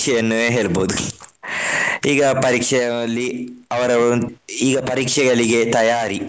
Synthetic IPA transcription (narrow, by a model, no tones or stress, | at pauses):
ʂɛjɐnːueɦeːɭboːd̪u | iːɡɐpɐɾiːkʂɐjɐɐlːiɐʋɐɾɐiːɡɐpɐɾiːkʂɛɡɐɭiɡe̞t̪ɐjaːɾi